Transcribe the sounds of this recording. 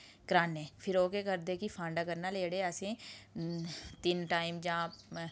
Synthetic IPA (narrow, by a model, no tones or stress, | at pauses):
kɾaːnːẽːpʰɪɾoːkekəɾd̪eːkipʰãːɳɖaːkəɾnaleːɽeəsẽ | t̪ɪnʈaːɪmd͡ʒãː